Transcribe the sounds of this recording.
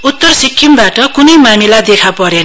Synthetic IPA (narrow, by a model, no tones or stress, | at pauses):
ut̪ːʌrsikʰːimbaʈʌkunʌjmamilad̪ekʰapʌɾen